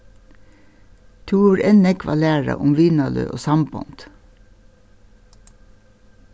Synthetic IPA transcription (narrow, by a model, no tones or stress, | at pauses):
t̪ʰuːɾɛnɛkʋɑːlæːɹɑ̰ʔʊmʋiːnɑlø̰ːʔoːsɑmbɔ̰nt̪